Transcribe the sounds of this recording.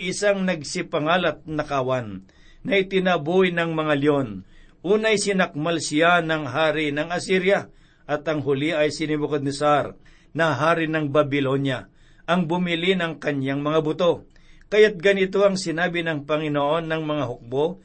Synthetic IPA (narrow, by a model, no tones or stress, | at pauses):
ɪsaŋnɐɡ̚sɪpɐŋaːlɐt̪̚nɐkawanː | ɐɪt̪ɪnabujnɐŋmɐŋaljon | ʔuːnɐjsɪnɐk̚malsɪjanɐŋɦaːɾinɐŋɐsiɾja | ʔɐt̪ɐŋɦʊliʔɐjsɪnɪbokod̪nɪsaɾ | nɐɦaːɾɪnɐŋbɐbɪlo̞nja | ʔɐŋbʊmɪlinɐŋkɐɲaŋmɐŋabʊt̪o̞ | kɐjat̪̚ɡɐnɪt̪̬o̞ɐŋsɪnaːbɪnɐŋpɐŋɪnoʔo̞nːɐŋmɐŋaɦʊk̚bo